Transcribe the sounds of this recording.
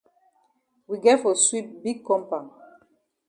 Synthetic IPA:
wi˨ɡɛ˦tfɔ˨swi˦t̚biɡ̚kːɔ̃˦mpã˨ŋ

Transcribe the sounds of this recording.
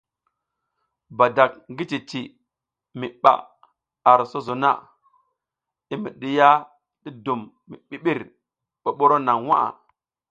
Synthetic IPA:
ba˨da˨k̚ŋɡi˦ti˨ti˨ | mi˨ɓa̰˨ | a˨ɾso˦zo˨na̰˦˨ | i˦mḭ˨ɗi˨ja˦ | ɗi˦du˨mːḭ˨ɓi˦ɓi˦ɾ | ɓo˨ɓo˦ɾo˦na˨ŋwa̰˦ʔa̰˨

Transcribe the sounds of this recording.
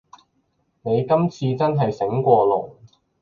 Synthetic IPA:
ne˨˧jkɐ˥mt͡sʰiː˧t͡sɐ˥nɦɐ˨jsɪ˨˥ŋkʷɔː˧lʊ˨˩ŋ

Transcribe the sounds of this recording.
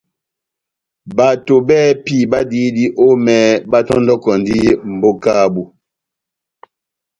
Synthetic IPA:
ba˨to˨bɛ˦pi˦˨ba˦di˦di˦ʔo˦mɛ˨ba˦tɔ˦ndɔ˦kɔ˨ndi˦m̩˨bo˦ka˦˨bu˦

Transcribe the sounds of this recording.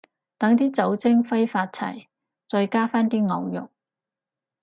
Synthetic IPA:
t̪ɐ˨˥ŋt̪iː˥t͡sɐ˨˥wt͡sɪ˥ŋfɐ˥jfaː˧t̚t͡sʰɐ̰˨˩j | t͡sɔː˧jkaː˥faː˥nt̪iː˥ŋɐ˨˧wjʊ̰˨k̚

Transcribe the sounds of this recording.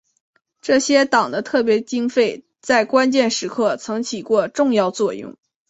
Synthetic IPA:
ʈ͡ʂɤ˥˩ɕjɛ˥t̪ɑ˨˩ŋd̪ə˦t̪ʰɤ˥˩p̬jɛ˧˥t͡ɕi˥ŋfe˥˩ɪ | t͡sa˥˩ɪkwa˥nt͡ɕjɛ˥˩nʂɻ̩˧˥kʰɤ˥˩t͡sʰɤ˧˥ŋt͡ɕʰi˨˩kwɔ˥˧ʈ͡ʂʊ˥˧ŋjɑ˥˧ʊt͡swɔ˥˧jʊ̰˥˩ŋ

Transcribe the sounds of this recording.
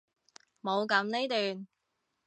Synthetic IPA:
mo˨˧wkɐ˨˧˥mne˥jt̪yː˨n

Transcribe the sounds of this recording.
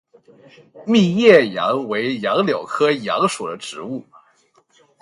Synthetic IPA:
mi˥˧jɛ˥˩jɑ̰˧˥ŋwe˧˥ɪjɑ˧˥ŋljo˨˩ʊkʰɤ˥jɑ̰˧˥ŋʂu˨˩d̪ə˦ʈ͡ʂɻ̩˧˥u˥˩

